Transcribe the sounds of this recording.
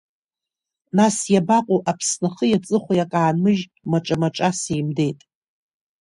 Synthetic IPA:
nasjabaqʷʼoʔapʰsnɨχəjat͡sʼɨχʷajakʼaːnmɨʒ | maʈ͡ʂʼamaʈ͡ʂʼasejmde̞jtʼ

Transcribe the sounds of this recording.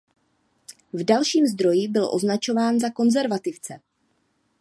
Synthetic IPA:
vdalʃiːmzd̪ɾo̞jiːbɪlʔo̞znat͡ʃo̞vaːnzako̞nzɛɾvat̪ɪft͡sɛ

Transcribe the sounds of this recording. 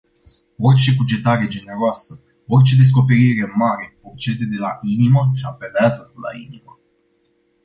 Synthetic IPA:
o̞rt͡ʃe̞bud͡ʒe̞t̪aɾe̞d͡ʒe̞ne̞ɾoasə | o̞rt͡ʃe̞d̪e̞s̬ko̞pe̞ɾiɾe̞maɾe̞port͡ʃe̞d̪e̞d̪e̞lainiməʃiape̞leazəla̰ḭnimə

